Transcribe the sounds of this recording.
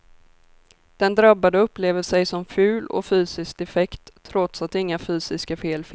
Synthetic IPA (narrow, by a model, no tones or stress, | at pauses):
d̪̥ɛnd̪ɾabːad̪əɵpːleːvəʂɛjsɔmfʉ̟ːlɔ̰fyːsɪsk̚d̪ɛfɛkt̪ʰːɾɔt̪sat̪ɪŋːafyːsɪskafeːlf